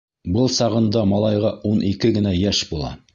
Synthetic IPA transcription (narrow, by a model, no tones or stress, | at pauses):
bɤlˠsɑʁɤ̆nd̪ɑmɑlˠɑjʁɑunʔikɘɡɘ̆næjæʃbulˠɑ̰